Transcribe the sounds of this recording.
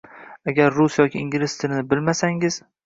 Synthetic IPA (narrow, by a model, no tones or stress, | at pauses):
aɡʲaɾːʊsjɒkʲɪːŋɡʲlɪst̪ʰɪlnɪbɪlmasaŋɪz̥